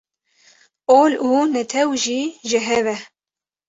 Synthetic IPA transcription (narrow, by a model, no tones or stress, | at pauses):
oːluːnɛt̪ʰɛwʒiːʒɪɦɛvɛ